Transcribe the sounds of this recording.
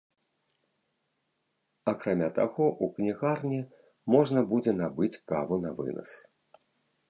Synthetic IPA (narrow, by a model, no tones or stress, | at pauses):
akɾamʲat̪a̰ɣɔʔuknʲiɣarnʲɛ | mɔʐnɐbud͡zʲɛnabɨt͡sʲka̰vunavɨ̰nɐ̰s